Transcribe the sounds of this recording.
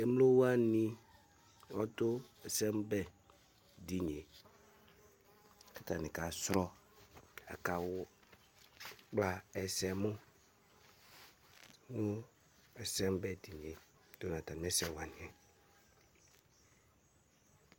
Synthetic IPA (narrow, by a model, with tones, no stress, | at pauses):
e˨m˦lo˦wa˦nĩ˦ | wɔ˦tʊ˦ɛ˨sɛ˦m˦bɛ˦ | di˨ɲ˨e˨ | kʰa˦ta˨nɪ̃˨ka˨sɾɔ˦ | a̰˨ka˨wʊ˦ | k͡pla˨ɛ˨sɛ˨mʊ̃˦ | ŋʊ˦ | ɛ˨sɛ˦m˦bɛ˦di˨ɲ˨e˨ | d̥o˦nã˨ta˨n˦ɛ˦sɛ˦˨wa˨nɪ˨ɛ˨